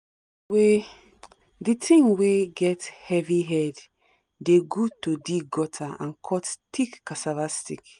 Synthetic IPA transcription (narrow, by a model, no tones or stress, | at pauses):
we | ditʰĩŋweɡɛthɛviɦɛd | deɡutodiɡɔtʰaã̰nkʰɔttʰikːasavastik